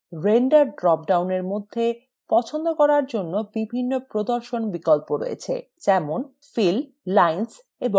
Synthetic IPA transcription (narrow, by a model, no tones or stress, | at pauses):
ɾeɳɖaɾɖɾɔp̚ɖawneɾmod̪ʱːe | pɔt͡ɕʰond̪okɔɾaɾd͡ʑonːobibʱinːopɾod̪oɾʃonbikɔlpoɾo̰jḛt͡ɕʰḛ | d͡ʑɛmon | fil | lajns | ebo